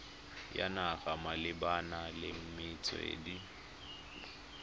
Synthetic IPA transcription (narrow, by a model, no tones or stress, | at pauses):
ja̰naɣamalɪbanalɪm̩mɪt͡sʼɔ̰ḛːdi